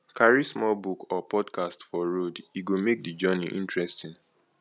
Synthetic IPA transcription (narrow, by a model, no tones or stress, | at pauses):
kʰaɹismɔlbukɔpɔdkastfɔɹodiɡomek̚did͡ʒɜniʔḭ̃ntɹɛstĩn